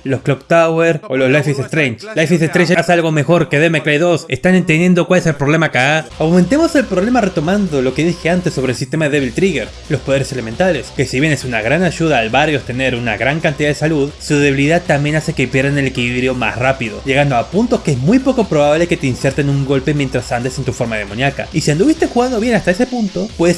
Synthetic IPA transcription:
lo̞sklokt̪aweɾoloslajfesest̪ɾent͡ʃlajfesest̪ɾent͡ʃsalɣo̞me̞xo̞ɾke̞ðemekɾajðo̞se̞st̪ane̞nt̪end̪je̞nd̪okwale̞selpɾo̞βle̞makaaawment̪e̞mo̞se̞lpɾo̞βle̞mare̞t̪o̞mand̪o̞lo̞keðixe̞ant̪esːo̞βɾelsist̪e̞maðe̞ðe̞βilt̪ɾiɣe̞ɾ | lo̞spoð̞eɾe̞se̞lement̪ale̞ske̞siβje̞nesunaɣɾanaʝuðaːlβaɾjo̞st̪e̞ne̞ɾunaɣɾaŋkant̪iðaðesaluðsuðe̞βiliðaðt̪ambje̞nase̞kepjeɾðene̞lekiliβɾjo̞ma̰srapiðo̞̰ʝe̞ɣand̪o̞apunt̪o̞skeezmujpo̞ko̞pɾo̞βaβle̞ke̞t̪einsje̞ɾt̪enuŋɡo̞lpemjent̪ɾasand̪e̞se̞nt̪ufo̞ɾmað̞e̞monjaka̰isiand̪uβist̪e̞sxuɣand̪oβje̞nast̪aesepunt̪o̞pwes

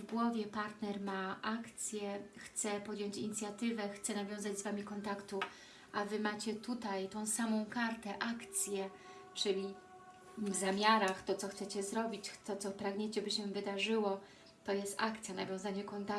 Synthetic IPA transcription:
vɡwɔvʲjɛpaɾt̪nɛɾmaʔakt̪sʲjɛxt̪sɛpɔd̪jɔɲt͡ɕiɲit̪sʲjat̪ɘvɛxt̪sɛnavʲjɔ̃w̃zad͡ʑzvamʲikɔnt̪akt̪u | ʔavɘmat͡ɕɛt̪ut̪ajt̪ɔ̃w̃samɔ̃w̃kaɾt̪ɛʔakt̪sʲjɛ | t͡ʂɘlʲi | vzamʲjaɾaxt̪ɔt̪ɔxtsɛt͡ɕɛzɾɔbʲit͡ɕt̪ɔt̪sɔpɾaɡɲet͡ɕɛbɘɕɛvɘd̪aʐɘwɔ | t̪ɔjɛst̪akt̪sʲjanavʲjɔ̃w̃zaɲɛkɔnt̪a

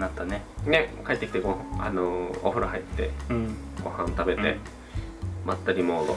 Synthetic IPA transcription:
nat̪ːanenekaet̪ːkʲi̥t̪eɡohãa̰noo̰ɸɯ̟ɾahait̪ːẽ̞̰ɡ̥o̞̰hãnt̪abe̞t̪ḛ | mat̪ːaɾʲimoːd̪o

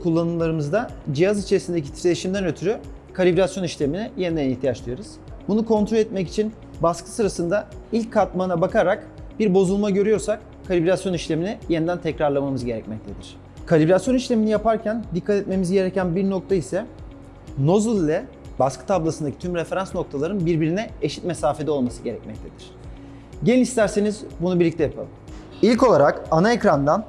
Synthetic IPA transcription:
kʰulˠːanɯlˠaɾɯmɯzd̪ad͡ʒijazit͡ʃʰe̞ɾisind̪ec̬it̪ʰiɾeiʃimd̪ænø̞t̪ʰyɾy | kʰalʲibɾʲasjo̞niʃlʲe̞minije̞nid̪æniçt̪ʰijat͡ʃd̪ˠɯjoɾuz̥bunukʰo̞nt̪ʰɾo̞lʲɛt̪̚mɛci̥t͡ʃʰin | baskʰɯ̥sɯɾasɯnd̪ailʲcʰːat̪manabakʰaɾak | biɾbo̞zulˠmaɟø̞ɾyjo̞ɾsak̚ | kʰːalʲibɾʲasjo̞niʃlʲe̞minije̞nid̪ænt̪ʰɛcɾaɾlˠamamɯzɟe̞ɾɛ̰cmɛc̚t̪ʰe̞d̪iɾ̝̥ | kʰalʲiblʲasjo̞niʃlʲe̞minijapaɾcʰænd̪ikʰːat̪ʰɛt̪̚me̞mizɟe̞ɾecænbiɾno̞k̚t̪ʰaisɛ | no̞zulʲˠːɛ | baskʰɯ̥t̪ʰablˠasɯnd̪acʰit̪ʰymɾefe̞ɾansno̞k̚t̪ʰalˠaɾɯnbiɾbiɾinɛeʃi̥t̪̚me̞saːfed̪ɛo̞lˠmasɯɟe̞ɾɛ̰c̚mɛc̚t̪ʰe̞d̪iɾ̥ | ɟeiist̪ʰæɾsenizbunubiɾlʲict̪ɛjapʰa̰lˠɯm | ilʲco̞lˠaɾakanaecɾand̪an

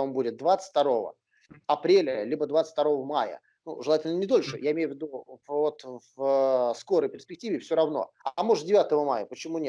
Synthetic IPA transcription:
ombudʲɪt̪̚d̪vat̪sə̥tʲt̪ɐɾo̞və̰ | ɐpɾʲelʲəlʲibəd̪vat̪sə̥t̪ɐɾo̞vəmajə̰ | nṵʐɨlˠatʲɪlʲnənʲɪd̪o̞lʲʂɨ̰jaɪmʲejʊvʲɪd̪uvot̪vsko̞ɾəjpʲɪrsʲpʲɪk̚tʲivʲɪfsʲoɾɐvno̰ɐmoʐt̪̚dʲɪvʲat̪əvəmajəpət͡ɕɪmunʲe

